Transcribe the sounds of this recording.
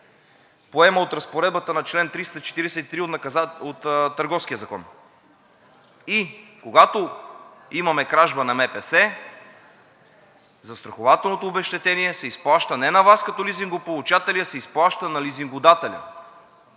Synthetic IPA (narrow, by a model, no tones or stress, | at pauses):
poɛməot̪ɾɐspoɾɛd̪̚bət̪ənɐt͡ʃlɛnt̪ɾist̪ət͡ʃɛ̥t̪iɾɛsɛt̪it̪ɾiot̪nɐkot̪t̪ːəɾɡɔfskijəzɐkɔ̰n | ikoɡat̪o | imɐmɛkɾaʒbənɐmɛpɛsɛ | zɐst̪ɾɐxovat̪ɛlˠnot̪oobɛʃt̪ɛt̪ɛniɛsɛisplˠaʃt̪ənɛnɐvaskɐt̪ɔliziŋɡopolˠut͡ʃat̪ɛlijɐsɛisplˠaʃt̪ənɐliziŋɡʊd̪at̪ɛlʲɐ̰